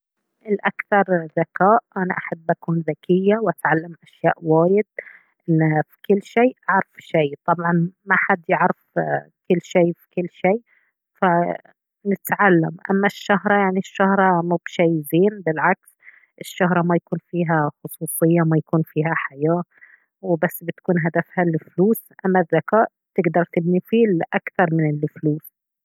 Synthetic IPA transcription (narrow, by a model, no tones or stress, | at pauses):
ʔɪlʔakθɑɾˤðakaːʔʔanaʔaħabːʔakuːnðakɪjːawʔat̪ʕalːamʔaʃjaːʔwaːjɪd̪̚ | ʔɪnːafi̥kɪlːʃeːʔaʕɾɪfʃeːt̪ˤɑbʕɑnmaħad̪jɪʕɾɪfkɪlːʃeːfi̥kɪlːʃeː | fa | nɪt̪ʕalːa̰mʔa̰mːaʃːaɦɾˤɑjaʕniʃːahɾˤɑmubʃajːɪziːnbɪlʕaks | ʔɪʃːaɦɾˤɑmajakuːnfiːɦaxʊsˤuːsˤɨjːamajakuːnfiːhaħajaː | wɪbasːbɪt̪ḁkuːnɦad̪afhalɪfluːsʔamːaðːakaːʔ | t̪ɪɡd̪ɑɾˤt̪ɪbnifiːlʔakθɑɾˤmɪnɪlfluːs